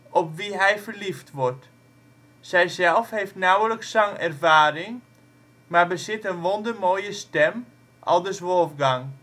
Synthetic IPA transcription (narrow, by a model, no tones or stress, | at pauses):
ʔɔpʋiɦɛjfərliftʋɔrt | sɛjzɛlˠfhejftnawələksːaŋɛrvaːɾɪŋ | maɹbəsɪtənʋondərmoːjəstɛm | ʔɔ̰lˠdəsʋɔlˠfɡaŋ